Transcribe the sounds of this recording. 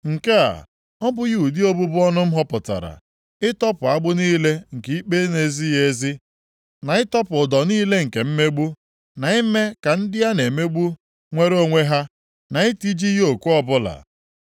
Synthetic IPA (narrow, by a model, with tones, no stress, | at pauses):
ŋ̩˨ke˦a̰˨ | ɔ˦bʊ˦ju˨di˦o˦bu˦bʊ˦ɔ˦nʊ˦m̩˦ɦɔ˦pʊ˨ta̰˨ɾa̰˨ | ɪ˦tɔ˦pʊ˨a˦ɡ͡bʊ˦niː˦le˦ŋ̩˨ki˨i˦k͡pe˦ne˨zi˦je˦zi˦ | na˨ɪ˦tɔ˦pʊ˨dɔ˨niː˦le˦ŋ̩˨ke˨m̩˦me˦ɡ͡bu˦ | na˨i˦me˦ka˨n̩˦dɪ˦ja˦ne˨me˦ɡ͡bu˦ | ŋʷe˦ɾo˦ŋʷe˦ɦa˦ | na˨ɪ˦ti˦d͡ʒi˦jo˨kʷu˦ɔ˦bʊ˦la̰˨